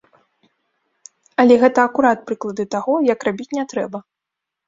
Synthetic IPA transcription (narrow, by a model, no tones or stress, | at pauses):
ɐlʲɛɣɛt̪ɐːkuɾat̪̚pɾɨklˠɐd̪ɨt̪aɣɔjɐkrabʲit͡sʲnʲɛt̪ɾɛbɐ